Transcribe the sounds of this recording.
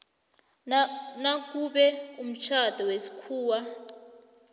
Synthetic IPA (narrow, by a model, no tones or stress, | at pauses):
nak̬uɓɛum̩t͡ʃʰad̥ʱɔwesi̥kʰuːwa